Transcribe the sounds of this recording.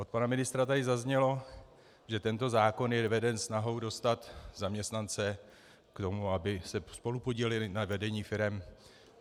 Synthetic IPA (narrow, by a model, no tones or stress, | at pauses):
ʔo̞t̪̚panamɪnɪst̪ɾat̪adɪzazɲɛlo̞ | ʒɛt̪ɛnt̪o̞zaːko̞njɛvɛdɛnsnaɦo̞wdo̞st̪at̪zamɲɛst̪nant͡sɛ | kt̪o̞muabɪsɛspo̞lupo̞ɟilɪlɪnavɛdɛɲiːfɪɾɛm